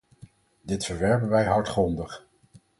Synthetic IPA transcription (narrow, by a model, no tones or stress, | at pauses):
dɪtfəɹʋɛɹpənʋɛjɦɑɹtχrɔndəχ